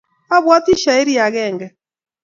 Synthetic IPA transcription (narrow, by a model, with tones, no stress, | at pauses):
a˦βwa˦ti˦ʃa˨e˦ɾi˦a˨ɣɛ˦˨ŋɡɛ˨